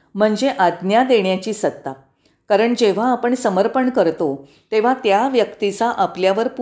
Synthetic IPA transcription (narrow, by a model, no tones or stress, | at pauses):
m̤əɳd͡ʑeʔad̪njad̪eɳjat͡ɕiːsət̪ːa | kaɾəɳd͡ʑeʋ̤aːpəɳsəməɾpəɳkəɾt̪o | t̪eʋ̤at̪jaʋjəkt̪it͡saʔapljaʋəɾp